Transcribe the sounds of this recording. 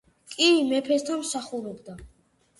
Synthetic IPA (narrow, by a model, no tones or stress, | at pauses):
kʼimɛpʰɛst̪ʰanmsaχuɾɔbd̪a